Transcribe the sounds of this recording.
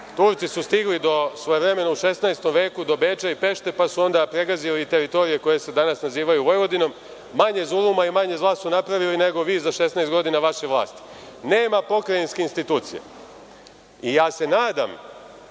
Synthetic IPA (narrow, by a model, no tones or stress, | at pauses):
t̪uːɾt̪sisust̪iɡlid̪o̞sʋo̞jeʋɾe̞me̞nouʃe̞snaest̪o̞mʋe̞ːkud̪o̞be̞ːt͡ʃaipe̞ʃt̪e̞pasuo̞nd̪apɾe̞ɡaziliit̪e̞ɾit̪o̞ɾije̞ko̞je̞se̞d̪anasnaziːʋajuʋo̞jʋo̞d̪ino̞mː | aɲe̞zulˠumaimaɲe̞zlˠaːssunapɾaʋiline̞ɡo̞ʋiːzaʃe̞snaest̪ɡo̞d̪inaʋaʃeʋlˠa̰ːst̪i̥ | ne̞ːmapo̞kɾajinskeinst̪it̪uːt̪sijḛ | ijaːse̞naːd̪a̰m